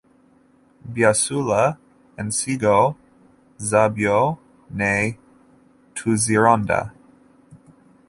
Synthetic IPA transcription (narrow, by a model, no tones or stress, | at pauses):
bjasula | ɛ̃nsiɡo | zabjo | ne | tʰuziɹãnda̰